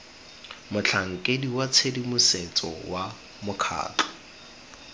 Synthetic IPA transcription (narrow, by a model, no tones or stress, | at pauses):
mʊt͡ɬʰaŋ̩kʼediwat͡sʰedimʊset͡sʼɔ̰wa | mʊkʰa̰ːt͡ɬɔ̥